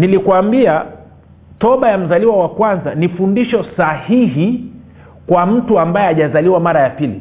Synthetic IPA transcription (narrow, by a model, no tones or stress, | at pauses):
nilikwambia | tɔɓajam̩zaliwawakwanzanifundiʃɔsahiɦi | kwam̩tuambajɛaʄazaliwamaɾajapilḭ